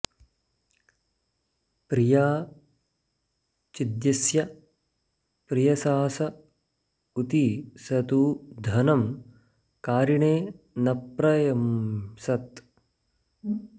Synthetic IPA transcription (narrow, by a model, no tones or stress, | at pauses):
pɾijaː | t͡ʃid̪jɐsjɐ | pɾijɐsaːsɐ | ut̪isɐt̪uːd̪ʱɐnɐm | kaːɾiɳeː | nɐpɾɐjɐmsɐt̪